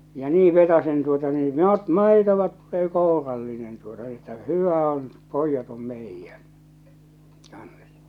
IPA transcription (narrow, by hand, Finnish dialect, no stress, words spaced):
jɑ niː ʋetɑsen tuotɑ niː no t mɑˑitoʋɑ tulːeː koˑurɑlːinen tuotɑ etːæ hyʋæ on poijːɑt om meijːæn kɑns